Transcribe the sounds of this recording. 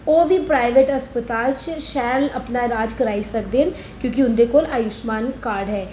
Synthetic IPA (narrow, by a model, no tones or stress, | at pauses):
oːʋʱipɾaːɪʋeːʈɐspət̪aːlt͡ʃʃɛːɾlɐpnaɾaːd͡ʒkəɾaːisəkd̪eːn | kjõːkiʊnd̪ekoːlaːjʊʃmaːnkaːɾɖɦɛː